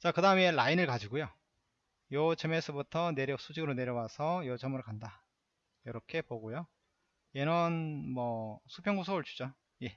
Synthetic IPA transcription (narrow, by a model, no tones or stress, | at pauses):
t͡ɕakɯdaɯme̞lainɯɭkad͡ʑiɡojo | jʌt͡ɕemesʰɯbutʰʌne̞ɾjʌs͈ʰud͡ʑiɡɯɾone̞ɾjʌwasʰʌjʌd͡ʑʌmɯɭkanda | jʌɾʌkʰe̞poɡojo | jenɯnmʌsʰupʰjʌŋɡosʰoɭt͡ɕʰu̥d͡ʑo | je̞